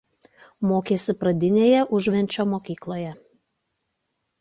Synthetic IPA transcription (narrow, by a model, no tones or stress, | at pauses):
moːkʲeːsʲɪpɾɐd̪ʲɪnʲeːjɛʔʊʒʲʋʲɛnʲˑt͡ʃʲoːmoːkʲiːklˠoːjɛ